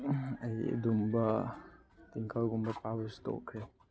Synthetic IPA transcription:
ɐjɐ̰dumbɐ | tiŋkʰalɡumbɐpabusi̥to̰kʰːɾe

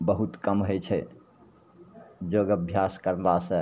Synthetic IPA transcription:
bəɦut̪kəmɦojt͡ʃʰɛ | d͡ʒoɡəbʱjaskəɾlasə̃

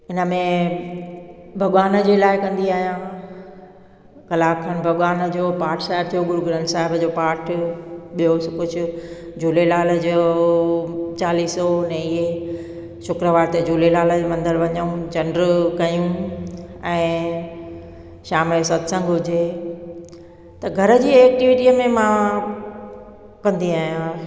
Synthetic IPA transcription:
ɪnə̆mẽ | bʱɐɠʋaːnd͡ʑeːlaːɪkɐ̃nd̪iaːɦijãː | kɐlaːkʰənbʱɐɠʋaːnd͡ʑoːpaːɾʈʰsaːɦɪb̚t̪ʰijoɡʊɾuɡɾə̃ːnʈsaːɦɪbəd͡ʑoːpaːɾʈʰɓijoskʊd͡ʑʱʊ̆d͡ʑuːlelaːld͡ʑo | t͡ɕaːliːsɔnẽɪɦe | ʃʊkɾəʋaːɾt̪ed͡ʑuːlelaːləd͡ʑemɐ̃nd̪əɾʋɐɲəũt͡ɕɐnɖɾkɐjũ | ɛ̃ː | ʃaːmlesɐd̪sə̃ŋɡɦʊd͡ʑʱe | t̪ɐɡʱɐɾə̆d͡ʑiːeːk̚ʈiʋiʈiəmẽmã | kɐ̃nd̪iaːɦijã

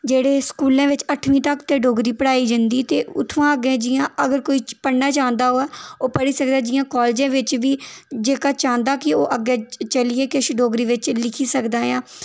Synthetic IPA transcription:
d͡ʒeːɽeːskuːlãːʋɪt͡ʃəʈʰʋĩːt̪əkt̪eːɖoːɡɾiːpəɽaːiːd͡ʒənd̪iːt̪eːʊ̰t̪ʰːʋãːəɡẽːd͡ʒɪjãːəɡəɾkoːiːpəɽnaːt͡ʃãːnd̪aːɦoːɛːoːpəɽiːsək̚d̪aːd͡ʒɪjãːkɔːld͡ʒãːʋɪt͡ʃʋiːd͡ʒeːkaːt͡ʃãːnd̪aːkɪoːʔəɡeːt͡ʃəlieːkɪʃɖoːɡɾiːʋɪt͡ʃlɪkʰiːsəkd̪aːjãː

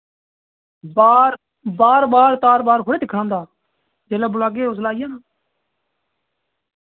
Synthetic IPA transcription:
baːɾ | baːɾbaːɾt̪aːɾbaːɾpʰoːɽeːd̪ɪkʰãːnd̪aː | d͡ʒeːlaːbʊlaːɡeːoslaːɪjãːnaː

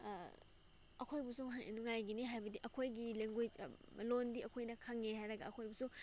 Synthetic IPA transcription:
ɐkʰojbusumɦaŋʔḛnuŋajɡiniɦajbɐdiʔɐkʰojɡileŋɡoj̰ | londiʔɐkʰojnɐkʰaŋehajɾɐɡɐɐkʰojbusu

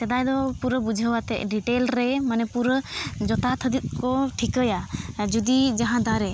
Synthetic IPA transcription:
t̪ɛd̪ajd̪ɔpuɾəbud͡ʒʱəwat̪ɛ̰ʔɖiʈelɾɛmanɛpuɾəd͡ʒɔt̪at̪ʰəd̪it̪̚ˀkɔʈʰikəjad͡ʒud̪id͡ʒaɦãd̪aɾɛ

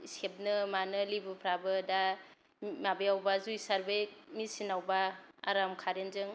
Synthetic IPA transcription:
isep̚nɯmanɯlibɯpʰɾabɯda | mabejawbazujsaɾbemisinawbaa̰ɾamkʰaɾenzɯŋ

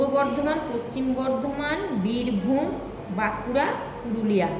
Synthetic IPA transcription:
obɔɾd̪ʱomanpost͡ɕimbɔɾd̪ʱomanbiɾbʱum | bakuɾa | puɾulija

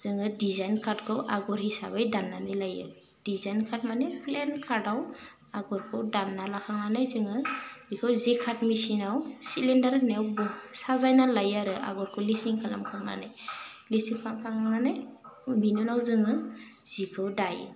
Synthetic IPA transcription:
z̥ɯŋɯdizajnkʰaɾdkʰɯwʔaɡɔɾɦisa̰bajdanːanilajɯ̰ | d̥izajnkʰaɾtmanɛplɛnkʰaɾdaw | aɡɔɾkʰɯwdanːalakʰaŋnanajzɯŋɯbikʰɯwzekʰatmisinawsilindaɾnɛwbɔsazajnalajaɾɯʔa̰ɡɔɾkʰɯwlisiŋkʰala̰mkʰaŋna̰najlisiŋkʰakʰaŋnanajbʱinunawzɯŋɯ | z̥ikʰɯwdaj

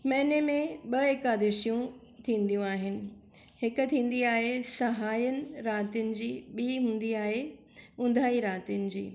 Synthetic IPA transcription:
mɛ̃ɦɪnemẽɓɐeːkaːd̪ɪʃijũ | t̪ʰĩːnd̪ijũaːɦɪnɪ̆ | hɪkʊ̆t̪ʰĩːn̆d̪iaːɦesɐɦaːjənɪ̆ɾaːt̪ijʊnɪ̆d͡ʑiːɓiːɦũːn̆d̪iaːɦe | ʊ̃nd̪ʱaːiɾaːt̪ijʊnɪ̆d͡ʑḭː

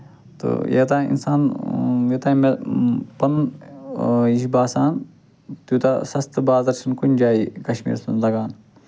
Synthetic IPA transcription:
t̪ɨ̰jḛt̪aːḭnsaːnʋet̪aːmepɐn | iʃbaːsaːn | t̪ut̪asɐst̪baːzɐɾsʰɐnkunʲd͡ʒaːikɐʃmḭːɾsunzɐɡaːn

